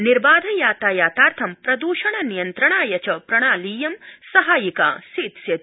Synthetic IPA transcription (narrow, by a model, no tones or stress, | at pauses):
niɾbaːd̪ʱɐjaːt̪aːjaːt̪aːɾt̪ʰɐmpɾɐd̪uːʃɐɳ̃ɐnijɐnt̪ɾɐɳ̃aːjɐt͡ʃɐpɾɐɽ̃aːliːjɐmsɐɦaːjika̰ːsiːt̪sjɐt̪